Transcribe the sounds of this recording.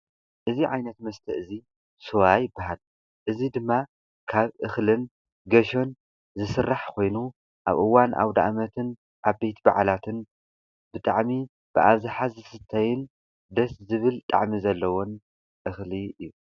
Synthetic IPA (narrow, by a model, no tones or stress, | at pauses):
ʔɨziʕajnɐt̪mɐst̪ʰɐʔɨzi | sowajɪbːaɦal | ʔɨzid̪ɨmːa | kʰaβʔɨxlɨn | ɡɐʃo̞n | zɨsɨrːaħkʰo̞jnu | ʔa̰βʔɨwanʔa̰wd̪a̰ʔmɐt̪ʰɨn | ʔaβbejt̪ba̰ʕlat̪ʰɨn | bɨt̪ʼa̰ʕmi | b̥ɨʔaβzɨħazɨsɨt̪ʰːɐjɪn | d̪ɐszɨβɨlt̪ʼa̰ʕmizɐlːɐwo̞n | ʔɨxliɨjːu